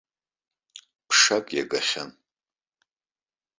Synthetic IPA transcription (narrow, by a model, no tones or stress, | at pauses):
pʰʂakʼjaɡaχʲan